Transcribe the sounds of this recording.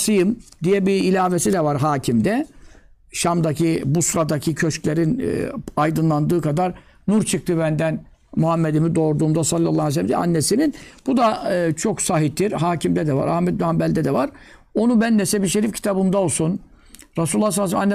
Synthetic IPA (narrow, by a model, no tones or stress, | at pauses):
sɯjɯmd̪ijɛbiːlʲaːvesid̪ɛvaɾɦaːcʰimd̪ɛ | ʃamd̪acʰibusɾad̪acʰicʰøʃclʲe̞ɾin̰ajd̪ɯnlˠand̪ɯːkʰad̪aɾ | nuɾt͡ʃʰɯk̚t̪ɯbænd̪æn | muhamːed̪imid̪o̞ɾd̪uːmd̪asalʲˠːalˠːaːes̬ɛlʲːmd̪ḭʔa̰nːesininb̥ud̪aɯt͡ʃʰo̞ksaɦit̪ʰːiɾɦaːcimd̪ɛd̪ɛva̰ɾa̰hmɛt̪̚nyhambɛlʲd̪ɛd̪ɛvaɾ | o̞nubænːɛsɛbiʃeɾifcʰi̥t̪ʰabɯmd̪ao̞lˠsun | ɾasulːˠasalːs̬manːɛ